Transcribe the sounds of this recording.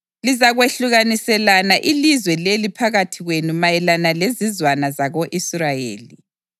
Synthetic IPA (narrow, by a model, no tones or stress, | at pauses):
lizaɣweɬuɣanisɛlanaʔilizwɛlelipʰaɣatʰiɣwenumajɛlanalezizwanazaɣoʔisrajḛːli